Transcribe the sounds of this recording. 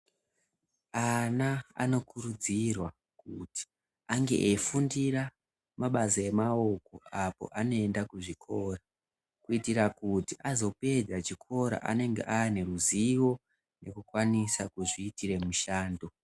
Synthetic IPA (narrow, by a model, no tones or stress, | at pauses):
anaa̰no̞kuɾud͡zirwa | kuti̥ | aŋɡe̞̰ʔefundira | maɓasae̞mao̞ko̞apo̞̰ʔano̞e̞ndakuʐikʰo̞ra | kuitirakutiʔazo̞pe̞d͡zat͡ʃikʰo̞ɾa̰ʔa̰ne̞ŋɡḛʔaane̞ruziwo̞ | ne̞̰kukwanisakuʐiːtire̞muʃaːndo̞